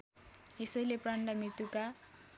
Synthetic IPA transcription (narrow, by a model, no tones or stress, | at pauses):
esʌjlepraɳɖamit̪uka